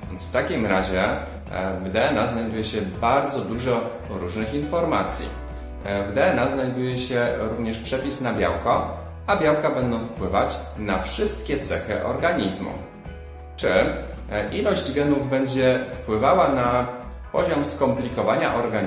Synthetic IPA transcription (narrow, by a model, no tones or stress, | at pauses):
vʲɛnsft̪akʲimɾaʑɛ | vd̪ɛɛnaznajd̪ujɛɕɛbaɾd̪zɔd̪uʐɔ | ɾuʐnɘxinfɔɾmat̪sʲjḭ | vd̪ɛɛnaznajd̪ujɛɕɛɾuvɲɛʂpʂɛpʲisnabʲja̰wkɔ | abʲjawkabɛnd̪ɔ̃w̃fpwɘvat͡ɕnafʂɘst̪̚kʲɛt̪sɛxɘ̰ʔɔ̰ɾɡaɲizmṵ | t͡ʂɘ | ʔilɔʑd͡ʑɡɛnuvbɛɲd͡ʑɛfpwɘvawana | pɔ̰ʑɔmskɔmplʲikɔvaɲa̰ʔɔɾɡa